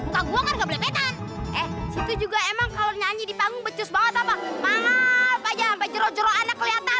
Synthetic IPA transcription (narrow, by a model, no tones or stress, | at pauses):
uk̪aɡuaŋanɡabolɛpet̪anʔɛhsit̪ud͡ʒuɡaemaŋkaloɲaɲidipaŋɡʊŋbət͡ʃʊsbaŋət̪apamaŋakad͡ʒaampad͡ʒəɾod͡ʒəɾɔanakːəliat̪a